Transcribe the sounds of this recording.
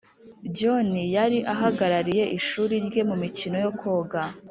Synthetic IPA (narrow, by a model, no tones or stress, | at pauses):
ɟo̞nijaɾiʔaɦaɡaɾaɾije̞ʔiʃuːɾiɾɡe̞mumicino̞jo̞kʰo̞ːɡa